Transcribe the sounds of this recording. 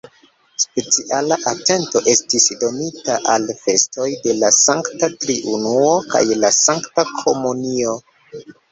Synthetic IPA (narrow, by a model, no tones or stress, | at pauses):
spe̞t͡siʔalaʔate̞nto̞ʔe̞stisdo̞nitaʔalfe̞sto̞jde̞lasaŋktatɾiʔunuoka̰jlasaŋktakʰo̞munio̞